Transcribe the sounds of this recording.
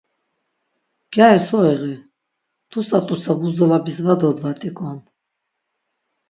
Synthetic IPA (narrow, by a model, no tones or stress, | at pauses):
ɡ̥aɛɾsɔɛʁi | t̪ʰusat̪ʼusaɡuzd̪ɔlabisvad̪ɔd̪vat̪ʼikʼɔn